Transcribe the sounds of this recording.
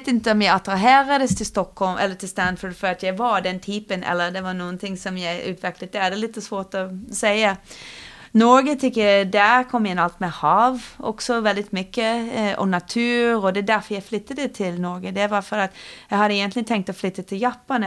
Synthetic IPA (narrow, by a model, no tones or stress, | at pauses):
t̪ɪnt̪əɔmjæɪɑt̪ɾɑɦeːɾɑd̪əst̪ʰɪlst̪ɔkhɔlmʔɛ̰lːət̪ʰɪlst̪ænd̪fəd̪fɔɾɑt̪jæɪʋɑɾd̪ɛnt̪ʰiːpənɛ̰lːəɾd̪ɛʋɑɾnuːənt̪ʰɪŋsɔmjæɪʔʉ̰ːt̪ʰʋɛklət̪̚d̪ɛæd̪ɛlɪt̪ːsɔsʋoːt̪ɔsæɪə | nɔɾɡət̪ʰɪkːjæd̪æɾkʰɔmːɪnɑlt̪mɛhɑːʋɔ̰ksɔʋɛld̪ɪt̪mʏkːəʔɔ̰nɑt̪ʰʉːɾɔd̪ɛd̪æɾfɔɾjæɪflʏt̪ːəd̪ət̪ʰɪlnɔɾɡəd̪ɛʋɑɾfɔɾɑt̪jæɪhɑd̪əɛɡənt̪lɪət̪ʰɛŋk̚t̪ɔflʏt̪ːət̪ʰɪljɑːpɑn